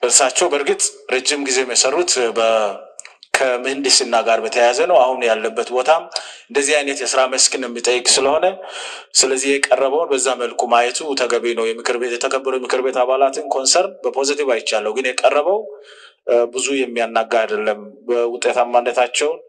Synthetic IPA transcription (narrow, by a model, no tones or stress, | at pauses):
ʔɨɾsat͡ʃːɛwbəɾɡɨt̪ʼɾed͡ʒːɪmɡize̞mjɛsərːut̪bə | kʰəmɨhɨnd̪ɨsinːaɡaɾbət̪ʰəjazənəwahunjalːəbːət̪bo̞t̪ʰaɨnd̪əzːihajnət̪jɛsɨɾaməskɨnjɛmːit̪ʼəjːɪkʼsɨləho̞nə | sɨləzːihjɛkʼərːəβəwnbəzːaməlkʰumajɛt̪ʰut̪ʰəɡəβinəwjɛmɨkʰɨɾbet̪jɛt̪ʰəkʰəbːəɾut̪mɨkʰɨɾbe̞t̪aβalat̪ʰɨnkʰo̞nsəɾnbəpʰo̞zit̪ivajɪt͡ʃːalːəwɡɨnjɛkʼərːəβəw | bɨzujɛmːijanːaɡaad̪əlːəmbəwʊt̪ʼet̪amːandət̪ʰat͡ʃːɛwn